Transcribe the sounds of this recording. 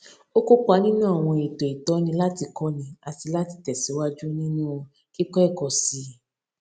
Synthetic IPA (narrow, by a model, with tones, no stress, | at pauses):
o˦ko˦k͡pa˧nĩ˦nãː˦˨w̃ɔ̃˧e˨to˨i˨tɔ˨˦nĩ˧la˦ti˧kɔ˦nĩ˧a˧ti˧la˦ti˧tɛ˨si˨˦wa˦d͡ʒu˦nĩ˦nũ˦˧ | ki˦kɔ˦ɛ˦˨kɔ˨si˧˦